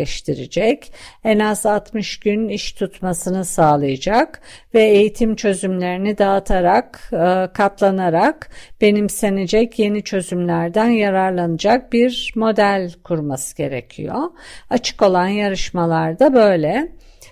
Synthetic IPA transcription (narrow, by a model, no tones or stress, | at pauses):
ɛʃt̪ʰiɾid͡ʒɛcɛnazat̪mɯʃɟ̥yniʃt̪ʰut̪masɯnɯsaːlˠɯjad͡ʒakvɛejit̪ʰimt͡ʃʰø̞zymlʲe̞ɾinid̪aːt̪ʰaɾakːkʰːat̪lˠanaɾakb̥e̞nimse̞ned͡ʒɛcʰje̞nit͡ʃʰø̞zymlʲæɾd̪ænjaɾaɾlˠanɯd͡ʒak̚biɾmo̞d̪ælʲkʰuɾmasɯ̥ɟ̥e̞ɾḛcʰḭjo̰at͡ʃʰɯ̥ko̞lˠanjaɾɯʃmalˠaɾd̪abø̞jlʲɛ